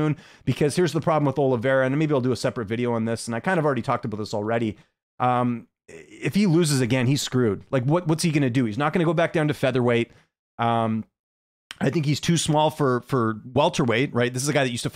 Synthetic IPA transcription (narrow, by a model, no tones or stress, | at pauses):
nb̥ɨkʰʌz̥hɪɹzðəpʰɹ̥ɑblmwəðoʊlˠəvɛɹɨɨ̃nmeɪbiaɪlˠdɨəsɛpɹɨt̚vɪɾioʊə̃nðɪsə̃naɪkʰãɪ̃ndəvl̩ˠɹɛɾitʰɔk̚tʰəbaʊt̪̚ðɪsl̩ˠɹɛɾi | ʔʌ̃m | ɪfhiluzɨzɨɡɛ̃niz̥skɹʉd̥̚laɪkwʌt̚wʌtshiɡʌñɨdɨhiznət̚ɡ̥ʌñɨɡoʊbæk̚d̥ãʊ̃ntɨfɛðə˞weɪt̚ | ʔʌ̃m | aɪθɪ̃ŋkhiz̥tʰʉsmɔlˠfə˞fə˞wɛlˠtʰə˞weɪt̚ɹʔaɪt̪̚ðɪs̬ɨzɨɡaɪðɨt͡ʃjʉstɨf